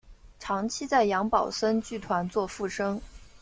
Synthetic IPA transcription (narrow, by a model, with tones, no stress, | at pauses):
ʈ͡ʂʰɑ˧˥ŋt͡ɕʰi˥t͡sa˥˩ɪjɑ˧˥ŋpɑ˨˩ʊʂə˥nt͡ɕy˥˩t̪ʰwa˧˥nt͡swɔ˥˧fu˥˩ʂɤ˥ŋ